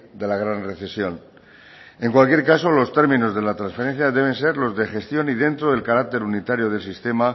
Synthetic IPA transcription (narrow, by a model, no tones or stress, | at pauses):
d̪e̞laɣ̞ɾanre̞θe̞sjo̞n | e̞ŋkwalkje̞ɾkaso̞lo̞st̪e̞ɾmĩno̞zðe̞lat̪ɾãnsfeɾe̞n̟θjaðe̞β̞e̞nse̞ɾlo̞zðe̞xe̞st̪jo̞niðe̞nt̪ɾoðe̞lkaɾak̚t̪e̞ɾunit̪aɾjo̞ð̞e̞lsist̪e̞ma